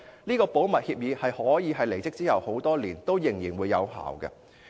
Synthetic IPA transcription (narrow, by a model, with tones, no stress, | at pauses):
liː˥kɔː˧po˨˥wmɐ˨t̚hi˧p̚jiː˨˧hɐ˨jhɔː˨˥jiː˨˧ɦɐ˨jle˨˩jt͡sɪ˥k̚t͡siː˥hɐ˨who˨˥wt̪ɔː˥liː˨˩nt̪o˥wjɪ˨˩ŋjiː˨˩nwuː˨˧jːɐ˨˧wɦa̰ː˨˩wkɐ̰˧